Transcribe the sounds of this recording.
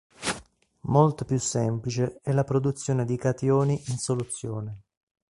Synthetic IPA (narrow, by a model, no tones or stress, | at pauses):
molt̪opjusːɛmplit͡ʃeɛlːapɾod̪ut̪sːjoːned̪ikat̪joːniʔinsolut̪sːjoːne